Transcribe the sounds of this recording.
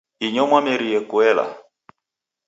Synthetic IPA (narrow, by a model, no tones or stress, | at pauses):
iɲɔmwamɛɾijɛkuɛla̰